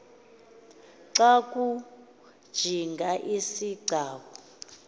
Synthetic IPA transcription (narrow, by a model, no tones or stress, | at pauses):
ǀakʼu | d̥ʒ̥ʱiŋɡʱaʔisiɡ͡ǀʱaːkɔ